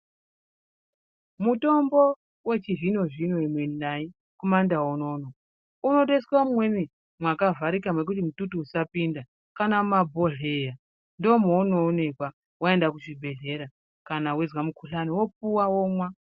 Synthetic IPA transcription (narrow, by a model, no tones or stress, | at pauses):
muto̞mbo | we̞t͡ʃivino̞ʐinoemwenai | komandawono̞ːno̞ | uno̞ɗeswamumwe̞mi | mwakavaɾikamwe̞k̬utimututuusapinda | kanaumabʱoɮe̞ja | ndomonoːne̞kwa | wae̞ndakuʐibʱe̞ɮe̞ɾa | kanawezwamukʰuɬaniwo̞p̚uwawomwa